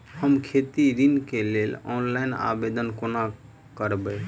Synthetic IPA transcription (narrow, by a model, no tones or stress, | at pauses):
həmkʰet̪iɾinkelelɔ̰nlaina̰bed̪ənkona | kəɾbəj